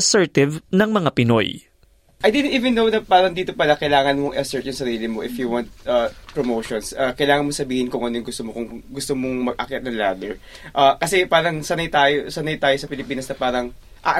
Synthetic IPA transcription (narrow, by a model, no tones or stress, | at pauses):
ɐsɛɹt̪ɪvnɐŋmɐŋapɪno̰j | ʔɐjd̪ɪd̪ɪniːvɛnːownɐpaːɾɐŋd̪iːt̪o̞pɐlɐkɐjlaːŋɐnmoŋʔɪɐsɛɹt̪̚jʊŋsɐɾiːlɪmoʔɪfjuwant̪̚ʔɐpɹomowʃonsʔɐkɐjlaːŋɐnmosɐbiːhɪnkʊŋʔɐnojʊŋɡʊst̪omokʊŋɡʊst̪omoŋmɐɡ̚ʔakɐt̪nɐŋla̰ːd̪ɛɹ | ʔaːkɐsɛpaːɾɐŋsɐnɐjt̪ajosɐnɐjt̪aːjosɐpɪlɪpiːnɐsnɐpaːɾɐŋ | ʔaʔ